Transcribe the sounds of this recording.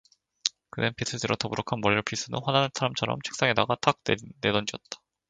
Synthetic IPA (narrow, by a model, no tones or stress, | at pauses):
kɯnenpʰis͈ʰɯdʰɯɾʌtʌbuɾokʰanmʌɾiɭpʰis͈ʰɯnɯnɸwananansʰaɾamt͡ɕʰʌɾʌ̰mt͡ɕʰe̥k̚s͈aŋe̞daɡatʰak̚ne̞dʌnd͡ʑiʌt̚t͈ḁ